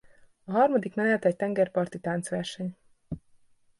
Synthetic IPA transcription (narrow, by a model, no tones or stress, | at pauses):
ɒɦɒrmɒd̪ikmɛnɛt̪ɛct̪ɛŋɡɛrpɒrt̪it̪aːnt̪sʋɛrʃɛɲ